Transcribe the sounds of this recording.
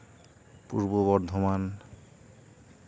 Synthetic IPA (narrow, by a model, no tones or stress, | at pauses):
pṵɾboβɔɾd̪ʱoman